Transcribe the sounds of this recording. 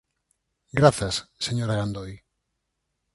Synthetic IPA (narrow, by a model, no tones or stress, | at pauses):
ɡɾaθɐsseɲoɾaɣand̪oj